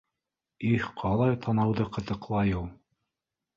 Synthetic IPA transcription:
ihqʰɑlˠɑjt̪ʰɑnɑwðɤqɤ̆t̪ɤ̆qlˠɑjuw̪ˠ

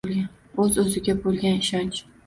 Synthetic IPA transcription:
lˠɡʲan | ɵzɵzɪɡʲabolˠɡʲanɪʃant͡ʃ

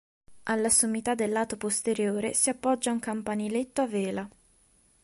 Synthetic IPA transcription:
ʔalːasomːit̪ad̪ːelːaːt̪opost̪eɾjoːɾesiapːɔd͡ʒːauŋkampanilet̪ːoavɛːla

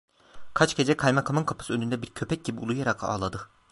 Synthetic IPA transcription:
kʰat͡ʃɟe̞d͡ʒɛkʰajmakʰamɯnkʰapʰɯ̥ɯønynd̪ɛbiɾcʰøpʰɛc̚ɟibiulˠujaɾakʰa̰ːlˠad̪ɯ

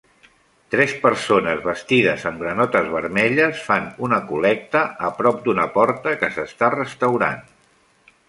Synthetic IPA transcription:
t̪ɾɛspəɾsonəzβəst̪iðəzəmɡɾənɔt̪əzβəɾmɛʎəsfanunəkulɛk̚t̪əəpɾɔp̚d̪unəpɔɾt̪əkəsəst̪arəst̪əwɾa̰n

